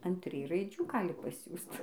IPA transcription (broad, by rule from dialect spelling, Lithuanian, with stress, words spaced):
ɐn ˈtʲrʲɪj rɐɪˈd͡ʒʲuː ˈɡɑːlʲɪ pɐˈsʲuːst